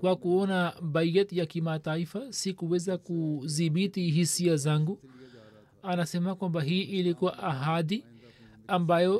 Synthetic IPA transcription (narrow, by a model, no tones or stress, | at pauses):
kwakuɔnabajɛtjakimataifasikuwɛzakuðiɓitiɦisiazaŋɡu | anasɛmakwambaɦiʔilikuwaʔaɦaði | ambajɔ